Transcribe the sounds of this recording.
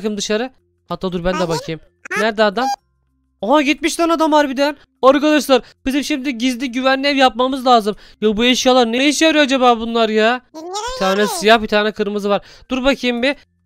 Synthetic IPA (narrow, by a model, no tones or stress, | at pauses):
kɯmd̪ɯʃaɾɯ | hat̪ʰːaːd̪uɾbænd̪ɛbakʰɯjɯm | næɾd̪ɛad̪am | oɦaɟit̪̚miʃt̪anad̪amvaɾbid̪æn | aɾkad̪aʃ̬lˠaɾ | b̥izimʃimd̪iɟizd̪iɟyvænlːʲɛpjap̚mamɯzlʲˠaːzɯm | jobueʃjalˠaɾnejiʃjaɾijoad͡ʒabaːbunlˠaɾjaːb̥it̪ʰaːnɛsijahbit̪ʰaːnɛkʰɯɾmɯzɯvaɾ | d̪̥uɾbacʰɯjmbi